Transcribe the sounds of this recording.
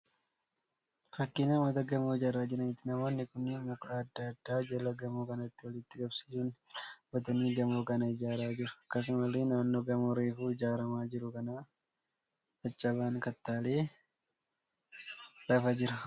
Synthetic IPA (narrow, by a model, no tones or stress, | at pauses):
fɐkːɪnɐwɐt̪ɐɡɐmoːɪd͡ʒaːɾːaːd͡ʒɪɾɐnɪt̪ːɪnɐmoːnːɪkʊnːɪmʊkʼlaːd̪ːaɐd̪ːaːd͡ʒɐlɐɡɐmuːkɐnɐɪt̪ːɪwɔlɪt̪ːɪɡɐbsi̥suːnwɐt̪ɐniːɡɐmoːkɐnɐɪd͡ʒaːɾaːd͡ʒɪɾʊɐkːɐs̬ʊmɐleːnaːnːo̞ːɡɐmoːɾeːfuːɪd͡ʒaːɾɐmaːd͡ʒɪɾʊkɐnaː | ɐt͡ʃʼːɐβaːŋkɐt̪ːaːle̞ː | lɐfɐd͡ʒɪɾɐ